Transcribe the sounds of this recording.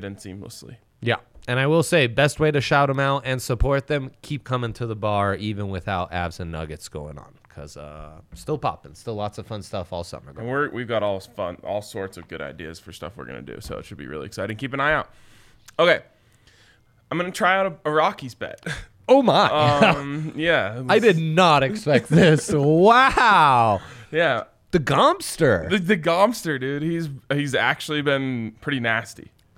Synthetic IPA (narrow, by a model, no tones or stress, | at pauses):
dɪdⁿn̩tsḭ̃mlə̰slḭ | jæ̰ɨ̃ñaɪwəlˠseɪbɛst̚weɪɾɨʃaʊɾə̃maʊɾʔɨ̃nsəpʰɔɹt̪̚ðɨ̃mkʰip̚kʰʌ̃mɪ̃ŋtʰɨðəbɑɹivɨ̃nwɨθaʊɾæ̰bzɨ̃nːʌɡɨtsɡ̥oʊɪ̰̃ŋə̰̃n̩kʰʌz̥ʌ̰stɪlˠpʰɑ̰pɨ̃nstɪlˠɑtsʌv̥fʌ̃nstʌfɔlˠsʌ̰mə̰˞ɡõwɪɹwʔivɡɑɾɔlˠfʌ̰̃nɔ̰lˠsɔɹtsʌvɡʊɾa̰ɪdiɨz̥fə˞stʌ̰fwə̰ɹɡʌ̰nɨ̰dʉ̰soʊə̰tʃɨd̚bḭɹɪ̰lˠḭɨksaɪɾɨdn̩kʰipɨ̃naɪaʊt̚ | oʊkeɪ | ãɪ̃mɡʌnɨtʰɹ̥aɪaʊɾəəɹɑkizbɛ̰t̚ | oʊmaɪʌ̃mjæaɪdɨdⁿnəɾɨksspɛk̚t̪̚ðɪswaʊjæ | ðɨɡɑ̃mstə˞ðɨðɨɡɑ̃mstə˞dɪd̚hizhizæ̰k̚t͡ʃʉl̩ˠibɪ̃npʰɹ̥ɪɾinæstḭ